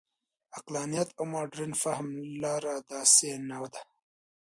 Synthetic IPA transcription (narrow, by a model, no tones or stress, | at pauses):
aqlɑːnijat̪awmɑɖɾinfahmlɑːɾad̪ɑːsenawd̪a